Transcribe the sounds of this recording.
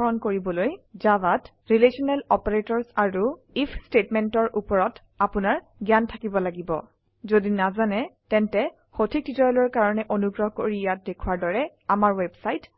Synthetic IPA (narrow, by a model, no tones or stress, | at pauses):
ɔɹɔnkoɹibɔlojzabat | ɹilesɔnɛlɔpaɹetɔɹsaɹu | ipʰstetmɛntɔɹʔupɔɹɔt | apʊnaɹ | ɡjantʰakibɔlaɡibɔ̰ | zodinazanɛtɛntɛ | xotʰik̚ditɔjlɔɹkaɹɔnɛʔonuɡɹɔɦkoɹijat̚dekʰuwaɹdɔɹɛamaɹwebsajt